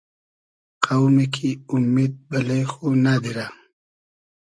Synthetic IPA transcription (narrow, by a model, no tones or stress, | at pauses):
qawmekʰiʊmed̪̚balejxonad̪iɾa